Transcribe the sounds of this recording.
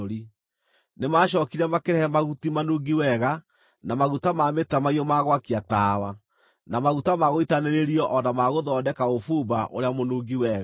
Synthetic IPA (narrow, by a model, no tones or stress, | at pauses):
oɾi | nemaːʃ̬ɔːkiɾɛmakeɾɛhɛmaɣutimanuɡiwɛɣa | namaɣutamametamaiɔmaɣwakiataːwa | namaɣutamaɣoitaneɾeɾiɔʔɔnamaɣoðɔːdɛkaofubaʔo̰ɾeamonuɡiwɛːɣa